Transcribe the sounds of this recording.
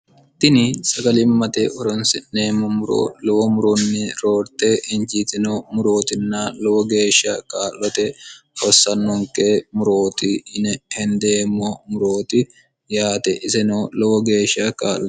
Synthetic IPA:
t̪ɪnɪsɐɡɐlɪmmːɐt̪eʔɔɾɔnsɛnneːmːɔmʊɾo̰ːlɔwɔmʊɾʊnːɪɾoːɾt̪eːʔɪɲd͡ʒiːt̪ɪnomʊɾoːt̪ɪnːalɔwɔɡe̞ːʃːakaːlːɔt̪ɛhɔsːɐnːɔŋkeːmʊɾoːt̪ɪnɛhɛnd̪eːmːɔmʊɾoːt̪ɪ | jaːt̪ɛʔɪsɛnolɔwɔɡe̞ːʃːɐkaːlːɔ̥

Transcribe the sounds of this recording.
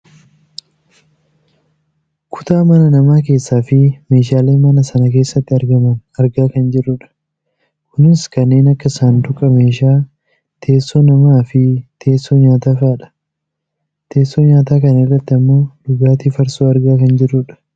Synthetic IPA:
kʰʊ̥t̪aːmɐnɐnɐmaːke̞ːsːaːfɪme̞ːʃ̬aːleːmɐnɐsɐnɐkeːsːɐt̪ːɪɐɾɡɐmɐnɐɾɡaːkɐnd͡ʒɪrːʊᶑɐ̥ | kʊnɪskɐnːe̞ːnɐkːɐsaːnd̪ʊkʼɐme̞ːʃaː | t̪ʰe̞ːsːoːnɐmaːfɪt̪ʰe̞ːsːoɲaːt̪aːfaːᶑɐ̥ | t̪ʰe̞ːsːoːɲaːt̪aːkɐnɪrːɐt̪ːɪɐmːo̞ːᶑʊɡaːt̪ifɐɾsoːɐɾɡaːkɐnd͡ʒɪrːʊᶑɐ̥

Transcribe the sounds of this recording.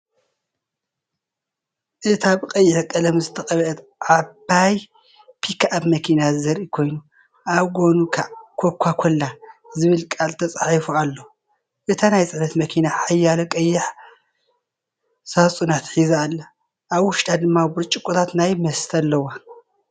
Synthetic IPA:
ʔɨt̪ʰaβkʼɐjːɪħkʼɐlɐmzɨt̪ʰɐkʼɐβɐʔɛt̪ | ʕabaj | pʰikʰaabmɐkʰinazɐɾʔikʰo̞jnu | ʔaβɡo̞nukʰakʰokʷʰːakʰolːazɨβɨlkʼalt̪ʰɐt͡sʼaħifualːo | ʔɨt̪ʰanajt͡sʼɨʕnɐt̪mɐkʰinaħajːalɐkʼɐjːɪħ | sasʼunat̪ħizaːlːa | ʔːβwʊʃt̪ʼad̪ɨmːabʊɾt͡ʃʼɪkʼːut̪ʰat̪najmɐst̪ʰalːɐwa

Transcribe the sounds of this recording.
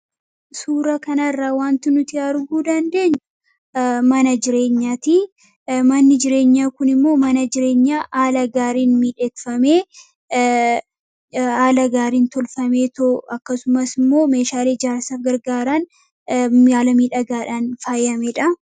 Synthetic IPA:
suːɾɐkɐnɐrːaːwaːnt̪ɪnʊt̪ɪɐɾɡuːd̪ɐnd̪e̞ːɲːʊ | mɐnɐd͡ʒɪɾe̞ːɲːaːt̪i | mɐnːɪd͡ʒɪɾe̞ːɲːaːkʊnɪmːo̞ːmɐnɐd͡ʒɪɾe̞ːɲːaːʔaːlɐɡaːɾiːnmiːᶑɛt̪fɐme̞ː | aːlɐɡaːɾiːnt̪ɔlfɐme̞ːt̪oɐkːɐsʊmɐsɪmːo̞ːme̞ːʃaːled͡ʒaːɾsɐfɡɐɾɡaːɾɐn | aːlɐmiːᶑɐɡaːᶑaːnfaːjɐmɛᶑɐ

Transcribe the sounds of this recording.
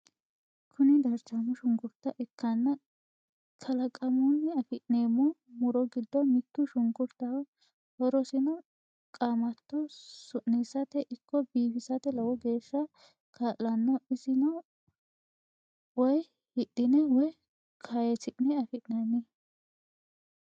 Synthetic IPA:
kʰʊnɪd̪ɐɾt͡ʃɐmʊʃʊŋɡʊɾt̪ːɐʔɪkʰːɐnːɐ | kʰɐlɐkʼɐmʊnːɛɐfɪʔneːmɔmʊɾɔɡɪd̪ːɔmɪt̪ːʊʃʊŋɡʊɾt̪ːɐw | hɔɾɔsɪnɔ | kʼaːmɐt̪ːɔsʊʔːisɐt̪ɛʔɪkʰːɔbiːfɪsɐt̪ɛlɐwɔɡe̞ːʃːɐ | kʰaːllɐnːɔɪsɪnɔ | wɔj | hɪɗːɪnɛwɔj | kʰajɛsɪʔnɛɐfɪʔnɐnːɛ

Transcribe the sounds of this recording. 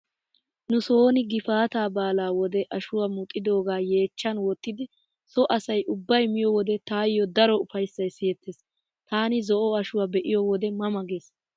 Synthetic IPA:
nʊso̞ːnɪɡɪfaːt̪aːbaːlaːwɔd̪ɛʔɐʃʊwamʊt̪ʼːɪd̪o̞ːɡaːje̞ːt͡ʃːɐnwɔt̪ːɪd̪ɪ | sɔʔɐsɐjʔʊbːɐjmɪjɔwɔd̪ɛt̪aːjːɔd̪ɐɾɔʊfɐjsːɐjsɪjɛt̪ʰːes | t̪aːnɪzɔʔɔɐʃʊwabɛʔɪjɔwɔd̪ɛmɐmɐɡeːs

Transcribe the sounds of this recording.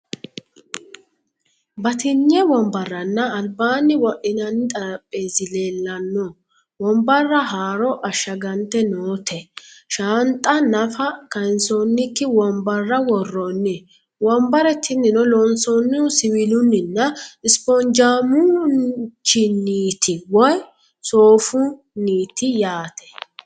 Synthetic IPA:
bɐt̪ɪnːjɛwɔmbɐrːɐnːɐːlbaːnːɪwɔʔɪnɐnːɪt̪ʼɐɾɐpʼːeːsɪle̞ːlːɐnːɔ | wɔmbɐrːɐɦaːɾɔʔɐʃːɐɡɐnt̪ːɛnoːt̪ʰɛʃant̪ʼːɐnɐfɐkɐɪnsonːɪkːɪwɔmbɐrːɐwɔrːɔnːɛ | wɔmbɐɾɛt̪ʰːɪnːɪnɔlɔnsɔnːʊsɪwɪlʊnːɪnːɐɪspɔnd͡ʒaːmʊ | t͡ʃːɪniːt̪ʰɪwɔj | soːfʊ | niːt̪ɪjaːt̪ʰɛ̥

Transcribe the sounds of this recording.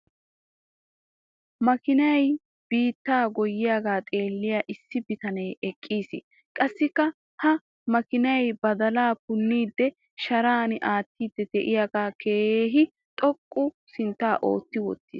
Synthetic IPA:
mɐkɪnɐj | b̥iːt̪ːaːɡɔjːɪjaːɡaːt̪ʼe̞ːlːɪjaːʔɪsːɪbɪt̪ɐnɛjɛkʼːiːsɪ | kʼɐsːɪkːɐ | hɐ | mɐkɪnɐjbɐd̪ɐlaːpʊnːiːd̪ːɛ | ʃɐɾaːnɪʔaːt̪ːiːd̪ːɛd̪ɛʔɪjaːɡaːkʰeːheːɦɪ | t̪ʼɔkʼːʊ | sɪnt̪ːaːʔo̰ːt̪ːɪwɔ̰t̪ːḭːs

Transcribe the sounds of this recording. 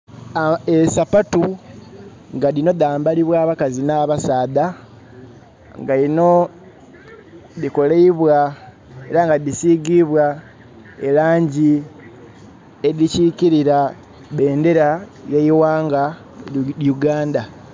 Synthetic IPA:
esapatu | ŋɡaðino̞d̪aːmbaliβwaːβakazinaβasaːda | ŋɡalino̞ | ðiko̞leiβwa | e̞ɾaŋɡadisiɡiβwa | elaːɲɟi | eðiciciɾiɾa | βe̞ːnde̞ɾajeiwaːŋɡa | juɡaːnda

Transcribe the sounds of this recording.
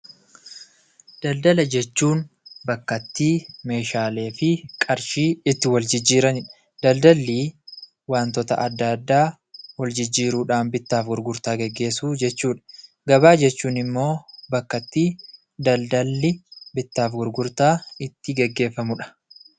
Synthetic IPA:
d̪̥ɐld̪ɐlɐd͡ʒɛt͡ʃːuːn | bɐkːɐt̪ːiːme̞ːʃaːle̞ːfɪkʼɐɾʃiːɪt̪ːɪwɐld͡ʒɪd͡ʒːiːɾɐnɪᶑɐ̥ | d̪̥ɐld̪ɐlːiː | waːnt̪ɔt̪ɐ̰ʔɐd̪ːad̪ːaː | wɐld͡ʒɪd͡ʒːiːɾuːᶑaːnbɪt̪ːaːfɡʊɾɡʊɾt̪aːɡɛɡːe̞ːsuːd͡ʒɛt͡ʃːuːᶑɐ̥ | ɡɐbaːd͡ʒɛt͡ʃːuːnɪmːo̞ːbɐkːɐt̪ːiː | d̪ɐld̪ɐlːɪbɪt̪ːaːfɡʊɾɡʊɾt̪aːɪt̪ːɪɡɛɡːe̞ːfːɐmʊᶑɐ̥

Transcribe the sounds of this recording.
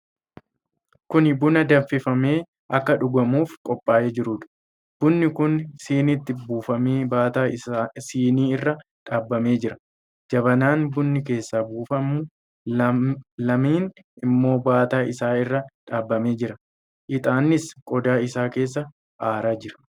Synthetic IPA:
kʊnbʊnɐd̪ɐɱfɪfɐme̞ː | ʔɐkːɐᶑʊɡɐmuːfkʼɔpʼːaːʔed͡ʒɪɾuːᶑ̪ʊ̥ | b̥ʊnːɪkʊnsiːnɪt̪ːɪbuːfɐmeːbaːt̪asiːniːɪrːɐ | ᶑaːbːɐme̞ːd͡ʒɪɾɐ̥ | d͡ʒɐbɐnaːnbʊnːɪk̬e̞ːsːaːbuːfɐmːʊ | lɐmiːn | ɪmːo̞ːbaːt̪aːʔɪsaːɪrːɐᶑaːbːɐme̞ːd͡ʒɪɾɐ | ʔɪt̪ʼaːnːɪskʼɔd̪aːɪsaːke̞ːs̬ːɐ | ʔaːɾaːd͡ʒɪɾɐ̥

